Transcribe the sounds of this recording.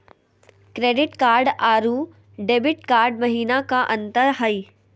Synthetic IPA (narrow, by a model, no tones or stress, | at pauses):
kɾeːɖɪʈkaːɾɖaːɾuː | ɖeːbɪʈ̚kaːɾɖ̚mɐɦiːnakaʔɐ̃nt̪əɾɦɐiː